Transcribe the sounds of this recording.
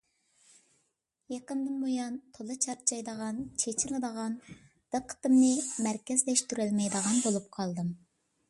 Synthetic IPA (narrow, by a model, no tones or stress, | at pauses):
jeqənd̪ɨnbojɑnt̪ʰolˠɨt͡ʃʰɑɾ̚t͡ʃʰɑjd̪əʁɑnt͡ʃʰet͡ʃʰɪlˠɨd̪əʁɑn | d̪̥əqʰːə̥t̪ɨmnɨmæɾkʲɛzlɛʃt̪yɾɪlmɛjd̪əʁɑnbolˠup̚qʰɑlˠd̪ɨm